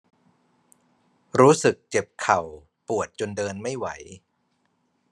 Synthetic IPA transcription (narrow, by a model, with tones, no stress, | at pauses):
ɾuː˦˥sɯ˨˩k̚t͡ɕe˨˩p̚kʰa˨˩w | pu˨˩ət̪̚t͡ɕo˧ndɤː˧nma˥˩jwa˩˦j